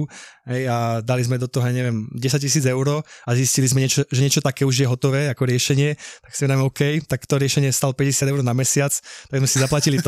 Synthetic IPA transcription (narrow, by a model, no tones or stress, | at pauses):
ɦɛjad̪alizmɛd̪ɔt̪ɔɦɔjaɲɛʋɛmɟɛsac̚cis̬iːd͡zɛʊɾɔːaziscilizmɛɲɛt͡ʃɔʒɛɲɪɛt͡ʃɔt̪akɛːuʒjɛɦɔt̪ɔʋɛːakɔɾɪɛʃɛɲɪɛt̪aksimɛd̪aimɔkɛjt̪akt̪ɔɾɪɛʃɛɲɪɛst̪alɔpɛɟɛsjad̪ɛʊɾɔnamɛsɪat͡st̪aɡzmɛsizaplacilit̪